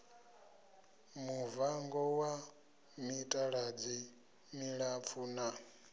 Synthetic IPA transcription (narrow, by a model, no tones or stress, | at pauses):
muvaŋɡɔwa | mitʼaɺad͡zi | miɺap̪fʰuna